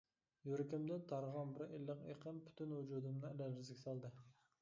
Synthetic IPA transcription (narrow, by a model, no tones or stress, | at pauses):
joɾɪkʲɪmd̪ɪnt̪ʰɑɾʁɑnbɪɾelːɨqeqʰənpʰy̥t̪ʰynhʊd͡ʒud̪ɨmnɨlælɾɪzɡʲɪsɑlˠd̪ɨ